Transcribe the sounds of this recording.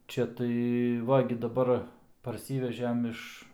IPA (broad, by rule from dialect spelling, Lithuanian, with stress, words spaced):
ˈt͡ʃʲɛ tɐɪ ˈʋɐ ɡʲɪ dɐˈbɐr pɐrʲˈsʲiːʋʲɛʒʲɛm ˈɪʃ